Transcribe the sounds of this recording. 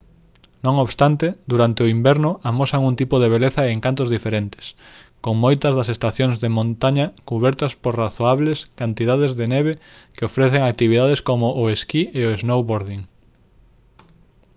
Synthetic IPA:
nõŋoβst̪ant̪ed̪uɾant̪eʊimbɛɾnʊamosaŋunt̪ipʊðeβeleθɐɪeŋkant̪ʊzðifeɾent̪ɪ̥skoŋmojt̪ɐzðɐsest̪aθjoŋzðemõnt̪aɲɐkuβɛɾt̪ɐspoɾraθoaβleskant̪iðað̞ezðeneβe | kɪofɾeθeŋak̚t̪iβiðaðeskomʊʔʊeskieoeznowβoɾðiŋ

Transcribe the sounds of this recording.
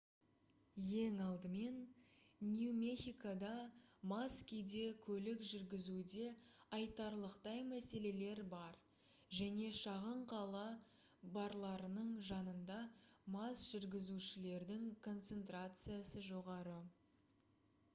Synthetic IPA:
je̞ŋɑlˠd̪əme̞nniumʲexʲijkad̪ɑmaskʲijd̪e̞kʲʰɵlɪkʒʏɾɡʲɪzud̪e̞ɑjt̪ɑɾlˠəqt̪ɑjmæse̞le̞le̞ɾbɑɾ | ʒæne̞ʃɑʁəɴqʰɑlˠɑ | bɑɾlˠɑɾənəɴʒɑnənd̪ɑmɑsʒ̥ʏɾɡʲɪzuʃɪle̞ɾd̪ɪŋkʰo̞nt̪se̞nt̪ɾat̪sɨjasəʒo̞ʁɑɾə

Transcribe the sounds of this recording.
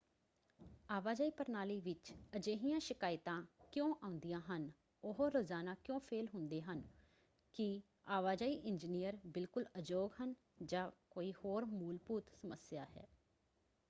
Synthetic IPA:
aːʋaːd͡ʒaːiːpəɾnaːliːʋɪt͡ʃəd͡ʒeːɦijãːʃɪkaːɪt̪ãːkjõːʔãːʊ̃nd̪ijãːɦən | ʊɦoɾozaːnaːkjõːpʰeːlɦʊ̃nd̪eːɦən | kɪ | aːʋaːd͡ʒaːiːʔɪɲd͡ʒinijəɾbɪlkʊləd͡ʒoːɡɦən | d͡ʒãːkoːiːhoːɾmuːlpuːt̪səməsjaːɦɛ̰ː

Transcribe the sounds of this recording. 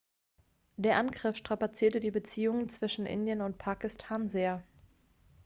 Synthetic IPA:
d̥eːɐʔanɡʁɪfʃtʁ̥apat͡siːɐtədiːbət͡siːʊŋənt͡sv̥ɪʃn̩ʔɪ̰ndjənʊntpʰaːkɪstʰaːnzeːɐ

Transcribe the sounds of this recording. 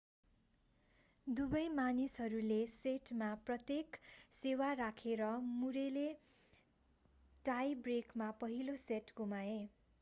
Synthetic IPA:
d̪ubʌjmanisɦʌɾuleseʈmaprʌt̪jeksewaɾakʰeɾʌmuɾele | ʈajbrekmapʌɦiloseʈɡumae

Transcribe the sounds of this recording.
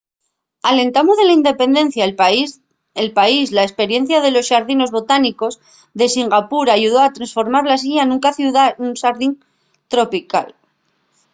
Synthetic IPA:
ale̞nt̪amozðe̞laind̪e̞pe̞nd̪e̞n̟θja | elpaislaespe̞ɾje̞n̟θjað̞e̞lo̞sʃaɾðino̞zβo̞t̪aniko̞z | ðe̞siŋɡapuɾaʝuð̞o̞at̪ɾansfo̞ɾmaɾlas̬iʎanũŋkaθuðaunʃaɾðin | t̪ɾo̞pika̰l

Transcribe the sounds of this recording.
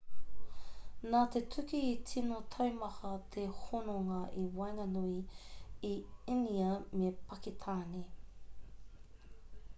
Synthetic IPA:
naːt̪etʰʉkiːtʰinotʰɐwmɐhɐt̪ʰehonoŋɐʔiwɐjŋɐnuiiiniɐmepɐkit̪ʰaːni

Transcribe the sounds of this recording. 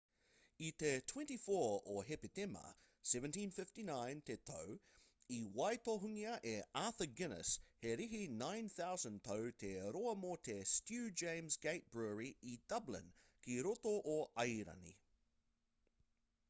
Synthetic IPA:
itetʰw̥ɛ̃ntifɔɹɔɦɛpɪtɛmə̰ | sɛvə̃ntĩnfɪftinãɪ̃ntʰet̪ʰow | iwaɪtoɦuŋiəʔeaˑθəɡɪnə̰sheɾiɦinãɪ̃nθawzə̃ntʰoʊtʰeɾɔəmɔːtʰestjʉːd͡ʒẽɪ̃mzɡeɪt̚b̥ɹɛːɹiid̥ɐblɪ̰̃n | kʰiɾotoʔːaɪɾɐ̰nḭ

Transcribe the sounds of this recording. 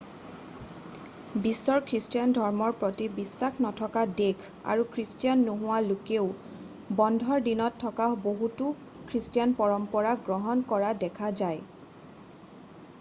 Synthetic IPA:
bisːɔɹkʰɹistijandʱɔɹmɔɹpɹotibisːaxnɔtʰɔkadekʰ | a̰ɹukʰɹistijanːuɦʊwalukeʊ | bɔndʱɔɹdinɔtʰːɔkaboɦutu | kʰɹistijanpɔɹɔmpɔɹaɡɹɔɦɔnkɔɹadɛkʰazaj

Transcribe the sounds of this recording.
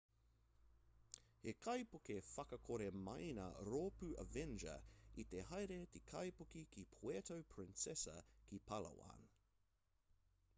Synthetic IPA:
hekʰɐjpokefɐkɐkʰoɾemɐ̰jnɐ̰ɾoːpʉʔɐ̰vɛnd͡ʒə̰it̪eɦɐjɾet̪ekʰɐjpokikipʰwetowpʰɹɪ̃nsɛsɐ̰kipʰɐlɐ̰wa̰ːn

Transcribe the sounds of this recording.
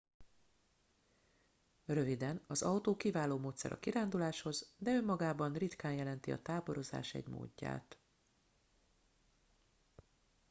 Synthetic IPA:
rø̞vid̪ɛnɒzɒwt̪oːkivaːloːmoːt̪sɛ̰ɾʔɒ̰kiɾaːnd̪ulaːʃho̞zd̪ɛømːɒɡaːbɒnrit̪kaːnjɛlɛnt̪iɒ̰t̪aːbo̞ɾo̞za̰ːʃɛ̰ɟmo̰ːɟːa̰ːt̪

